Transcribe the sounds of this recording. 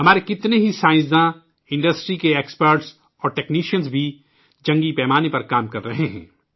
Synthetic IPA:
ɦɐmaːɾekɪt̪neɦisãːɪ̃sd̪ã | ɪ̃ɳɖəsʈɾikeeːkspəɾʈs | ɔːɾʈɛːkniːʃənzbʱi | d͡ʒɐ̃ŋɡipɛːmaːnepɐɾkaːmkɐɾːɐɦeɦɛ̰̃ː

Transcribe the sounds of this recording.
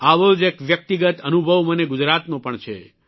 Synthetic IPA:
aʋod͡ʒekʋjək̚t̪iɡət̪ənubʱəʋməneɡud͡ʒɾat̪nõpəɳt͡ʃʰḛ

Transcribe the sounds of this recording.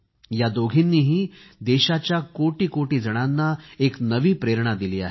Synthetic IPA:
jad̪oɡʱinːiːɦiːd̪eɕat͡ɕjakoʈiːkoʈiːd͡zəɽ̃anːaeknəʋiːpɾeɾɳ̃ad̪iliːa̰ɦe

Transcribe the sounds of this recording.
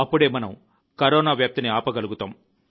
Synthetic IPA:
ɐpːuɽeːmɐnɐm | kɐɾɔːnaːʋjaːp̚t̪iniaːpɐɡɐluɡut̪aːm

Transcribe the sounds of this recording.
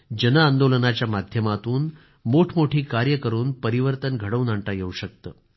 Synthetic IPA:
d͡ʑənaːnd̪olənat͡ɕjamad̪ʱjəmat̪uːn | moʈʰmoʈʰiːkaɾjəkəɾuːnpəɾiʋəɾt̪ənɡʱəɽəʋnəɳʈajeuɕək̚t̪əː

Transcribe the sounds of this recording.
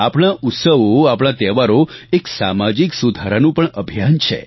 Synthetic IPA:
apɳ̃aut̪səʋoapɽ̃at̪ɛʋaɾoeksamad͡ʒiksud̪ʱaɾanũpəɳəbʱijant͡ʃʰḛ

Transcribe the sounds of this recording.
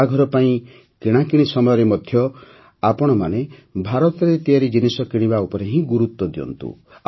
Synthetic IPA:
aɡʱɔɾɔpaĩ | kiɽ̃akiɽ̃isɔmɔjɔɾemɔd̪ʱjɔ | apɔɽ̃ɔmanebʱaɾɔt̪ɔɾet̪iaɾid͡ʒinisɔkiɽ̃ibaupɔɾeɦĩɡuɾut̪wɔd̪iɔ̰nt̪ṵ

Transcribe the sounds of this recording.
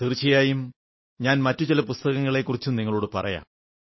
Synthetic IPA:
t̪irt͡ɕːijaːjum | ɲaːnmɐtːut͡ɕilɐpust̪ɐɣɐŋːɐɭe̞kːurit͡ɕːumniŋːɐɭuːɽɨpɐ̰rɐ̰ja̰ːm

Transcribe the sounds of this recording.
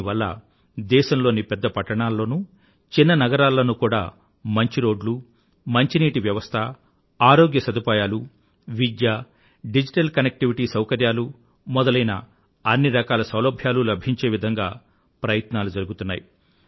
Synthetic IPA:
iʋɐlːɐ̰ | d̪ɛːʃɐmlo̞ːnipɛd̪ːɐpɐʈːɐɳaːlːo̞ːnu | t͡ʃinːɐnɐɡɐɾaːlːɐnukuːɽa̰ː | mɐɲt͡ʃiɾoːɖlu | mɐɲt͡ʃiniːʈiʋjɐʋɐst̪ʰɐ | aːɾo̞ːɡjɐsɐd̪upaːjaːlu | ʋid̪jaː | ɖid͡ʒiʈɐlkɐnek̚ʈiʋiʈiːsɐwkɐɾjaːlu | mɔd̪ɐlɐjnɐ̰ | ɐnːiɾɐkaːlɐsɐwlɐbʱjaːlulɐbʱiɲt͡ʃe̞ːʋid̪ʱɐŋɡaː | pɾɐjɐt̪naːlud͡ʒɐɾuɡut̪unːa̰ːji

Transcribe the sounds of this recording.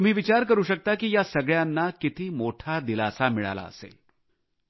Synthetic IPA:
t̪um̤iːʋit͡ɕaɾkəɾuːɕək̚t̪akijasəɡɭjanːakit̪ʰiːmoʈʰad̪ila̰samiɭa̰la̰ə̰sḛːl

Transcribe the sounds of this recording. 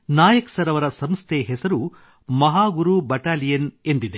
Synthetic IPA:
naːjɐksɐɾɐʋɐɾɐsɐmst̪ʰeɦɛsɐɾu | mɐɦaːɡuɾubɐʈaːlijɐne̞nd̪id̪e

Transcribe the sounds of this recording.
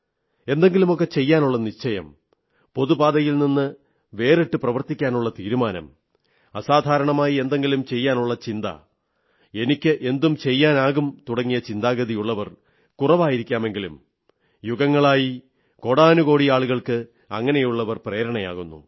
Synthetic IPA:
e̞nd̪e̞ŋɡilumo̞k̬ːe̞t͡ɕe̞jːaːnuɭːɐniɕt͡ɕɐjɐ̰m | po̞ðubaːd̪ɐjilninːɨ | ʋe̞ːriʈːɨprɐʋɐrt̪ikʲːaːnuɭːɐt̪iːɾumaːnɐ̰m | ɐsaːd̪ʱaːɾɐɳɐmaːjie̞nd̪e̞ŋɡilumt͡ɕe̞jːaːnuɭːɐt͡ɕind̪ɐ̰ | e̞nikʲːɨʔe̞nd̪umt͡ɕe̞jːaːnaːɣumt̪uɽɐŋːijɐt͡ɕind̪aːɡɐðijuɭːɐʋɐr | kurɐʋaːjiɾikʲːaːme̞ŋɡilṵm | juɣɐŋːɐɭaːji | ko̞ɽaːnuɣo̞ːɽiaːɭuɣɐɭkɨ | ɐ̰ŋːɐne̞juɭːɐʋɐrpreːɾɐɳɐja̰ːɣunːṵ

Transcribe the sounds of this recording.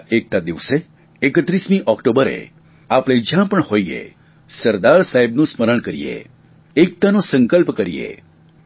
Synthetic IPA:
ek̚t̪ad̪iʋse | ekət̪ɾismĩʔɔkʈobəɾḛ | apɽ̃ẽd͡ʒjãpəɳhoiḛ | səɾd̪aɾsaɦebnũsməɾəɳ̃kəɾḭḛ | ek̚t̪anosəŋkəlpkəɾiḛ

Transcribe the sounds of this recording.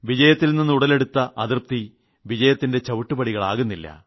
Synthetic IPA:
ʋid͡ʑɐjɐt̪ːilninːɨuɽɐle̞ɽut̪ːɐʔɐðirp̚t̪i | ʋid͡ʑɐjɐt̪ːinde̞t͡ɕɐʋuʈːubɐɽiɣɐɭaːɣunːilːɐ̰

